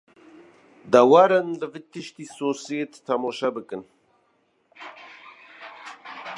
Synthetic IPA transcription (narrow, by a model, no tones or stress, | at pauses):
d̪awaɾənləvɨt̪iʃt̪isosjet̪ːʰamoʃabɨkɨn